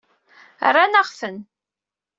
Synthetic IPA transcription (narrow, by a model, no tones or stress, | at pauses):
rːanaʁfən